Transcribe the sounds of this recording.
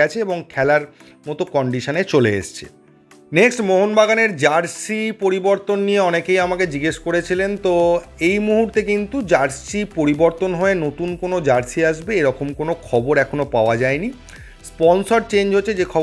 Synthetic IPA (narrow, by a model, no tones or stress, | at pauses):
ɛt͡ɕʰeeboŋkʰɛlaɾ | mɔt̪okɔɳɖiʃanet͡ɕolḛḛʃt͡ɕʰe̥̰ | neksʈmoɦonbaɡaneɾd͡ʑaɾsipoɾiboɾt̪onːijeɔnekejamaked͡ʑiɡeʃkoɾet͡ɕʰilent̪oejmuɦuɾt̪ekint̪ud͡ʑaɾssipoɾiboɾt̪onɦoenot̪unkonod͡ʑaɾsiaʃbeeɾɔkomkonokʰɔboɾɛkʰonopaoad͡ʑaeni | spɔnsoɾt͡ɕẽɲd͡ʑɦotːʰed͡ʑekʰɔ